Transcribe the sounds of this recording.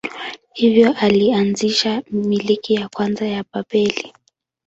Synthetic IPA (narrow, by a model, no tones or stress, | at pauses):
hivjɔʔalianziʃamilikijakwanzajapapɛli